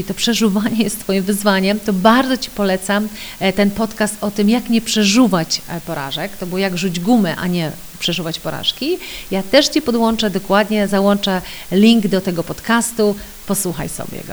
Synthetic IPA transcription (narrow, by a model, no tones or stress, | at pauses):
t̪ɔpʂɛʐuvaɲɛjst̪fɔjimvɘzvaɲɛmt̪ɔbaɾd̪zɔt͡ɕi̥pɔlɛt̪samt̪ɛnpɔt̪kast̪ɔt̪ɘmjakɲɛpʂɛʐuvat͡ɕpɔɾa̰ʐɛkt̪ɔbɔwjaɡʐud͡ʑɡumɛʔa̰ɲɛ | pʂɛʐuvat͡ɕpɔɾa̰ʂkʲijat̪ɛʂt͡ɕipɔd̪wɔnt͡ʂɛd̪ɔkwad̪ɲɛzawɔnt͡ʂɛlʲiŋɡd̪ɔt̪ɛɡɔpɔt̪kast̪u | pɔswuxa̰jsɔ̰bʲjɛ̰ɡɔ̰